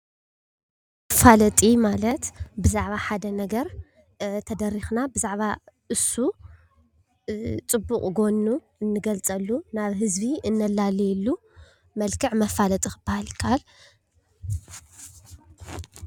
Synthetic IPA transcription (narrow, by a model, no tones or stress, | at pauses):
ɐfalɐt̪ʼimalɐt̪bɨzaʕβaħad̪ɐnɐɡɐɾ | t̪ʰɐd̪ɐɾːixnabɨzaʕβa | ɨsːu | t͡sʼɨbːukʼɡo̞nːu | ɨnːɨɡɐlt͡sʼɐlːunaβɦɨzbiɨnːɐlːalilːu | mɐlkʰɨʕmɐfalɐt̪ʼixɨbahalkʰal